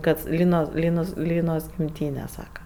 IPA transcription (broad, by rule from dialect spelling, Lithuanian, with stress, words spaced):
kɐt ˈlʲiːnoːs ˈlʲiːnoːs ˈlʲiːnoːs ɡʲɪmʲˈtʲiːnʲɛ ˈsɑːkɐ